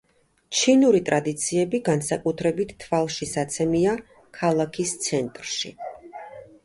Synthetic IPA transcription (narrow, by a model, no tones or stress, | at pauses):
t͡ʃʰinuɾit̪ʼɾad̪it̪sʰiɛbiɡansakʼut̪ʰɾɛbit̪ʰt̪ʰːvalˠʃisat̪sʰɛmia | kʰalˠakʰist̪sʰɛnt̪ʼɾʃḭ